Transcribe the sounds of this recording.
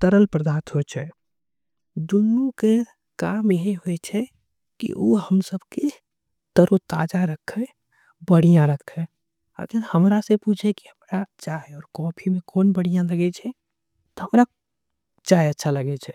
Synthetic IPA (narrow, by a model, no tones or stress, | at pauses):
t̪əɾəlpɾəd̪aːt̪ɦot͡ʃʰɛ | d̪ʊnːuke | kaːmjəɦiɦoet͡ʃʰɛ | kḭʔo̰ːhəmsəbke | t̪əɾot̪aːd͡ʒaɾəkʰːɛ | bəɽ̤ijãɾəkʰːɛ | ə̰ɡəɾhəmɾasepuːt͡ʃʰeki̥həmɾat͡ʃaːɦeɔːɾkɔːpʰimẽkoːnbəɽijãləɡet͡ʃʰɛ | t̪ɔɦəmɾa | t͡ʃaːeətːʃʰaləɡet͡ʃʰɛː